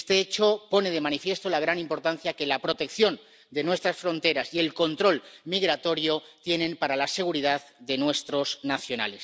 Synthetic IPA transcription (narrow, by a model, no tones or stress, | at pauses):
st̪e̞et͡ʃo̞po̞ne̞ð̞e̞mãnifje̞st̪o̞laɣ̞ɾanĩmpo̞ɾt̪an̟θjake̞lapɾo̞t̪e̞kθjo̞n | d̪e̞nwe̞st̪ɾasfɾõ̞nt̪e̞ɾasie̞lko̞nt̪ɾo̞lmiɣɾat̪o̞ɾjo̞t̪je̞nẽ̞mpaɾalase̞ɣ̞uɾið̞aððe̞nwe̞st̪ɾo̞znaθjo̞na̰le̞s